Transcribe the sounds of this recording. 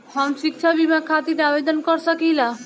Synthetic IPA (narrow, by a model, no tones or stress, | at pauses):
hɦəmʃik̚t͡ʃʰabimakʰat̪iɾabed̪ənkɔɾsəkilã